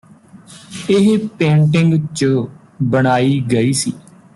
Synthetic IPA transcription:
ɪɦpɛ̃ːɳʈɪŋɡt͡ʃ | bəɽ̃aːiːɡəiːsḭː

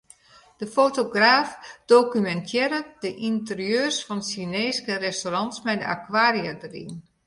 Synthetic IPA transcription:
d̥əfoːtoɡraːfd̥oːkymɛntʰjɛɾədəʔintərijøːrsfɔnsineːskərɛstorɑnsmɛjdəʔa̰kwaːɾiədərḭn

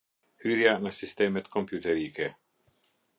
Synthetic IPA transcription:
hyːɾjanasist̪ɛːmɛt̪kɔmpjut̪ɛɾiːkɛ

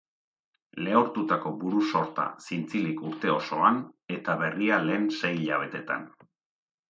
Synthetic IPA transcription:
le̞oɾt̪ut̪ako̞buɾuso̞ɾt̪a̰sint͡silikuɾt̪e̞o̞so̞ane̞t̪aβe̞riale̞ːnse̞jʎaβ̞e̞t̪e̞t̪a̰n

